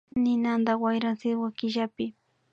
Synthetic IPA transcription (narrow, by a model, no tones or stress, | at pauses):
nɪnand̪awajɾaŋsɪwakɪʒapɪ